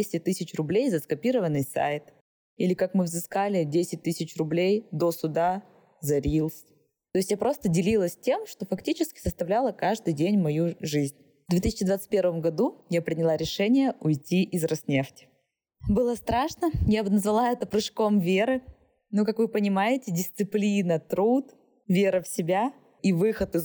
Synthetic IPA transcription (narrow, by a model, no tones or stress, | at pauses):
sʲtʲɪt̪ɨsʲɪt͡ɕrʊblʲejzɐskɐpʲiɾəvənːɨjsa̰jt̪ | ilʲɪkakmɨvzɨskalʲɪdʲesʲɪt̚ʲt̪ɨsʲɪt͡ɕrʊblʲejd̪osʊd̪a | zɐɾʲilˠs | t̪o̞jɪsʲtʲjapɾo̞st̪ədʲɪlʲilˠəsʲtʲe̞mʂt̪o̞fɐktʲit͡ɕɪskʲɪ̥səst̪ɐvlʲalˠəkaʐd̪ɨjdʲenʲmɐjuʐɨzʲnʲ | vd̪vʲet̪ɨsʲɪ̥t͡ɕɪd̪vat̪sɨ̥t̚ʲpʲe̞ɾvəmɡɐd̪ujapɾʲɪnʲɪlˠaɾʲɪʂɛnʲɪjəʊjtʲiʔɪzrɐsnʲeftʲɪ̥ | bɨlˠəst̪ɾaʂnəjabɨnəzvɐlˠaɛt̪əpɾɨʂko̞mvʲeɾɨ | nukakvɨpənʲɪmajɪtʲɪdʲɪst̪sɨplʲinət̪ɾut̪ | vʲe̞ɾəfsʲɪbʲa | ivɨxət̪ɨ